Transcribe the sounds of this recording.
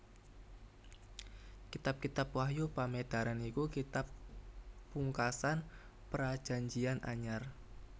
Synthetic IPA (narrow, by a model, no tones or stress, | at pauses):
kit̪ap̚kit̪apwahjupamed̪̥a̤ɾanikukit̪apː | uŋkasan | pəɾad̥ʒ̥a̤ɲd͡ʒiana̰ɲar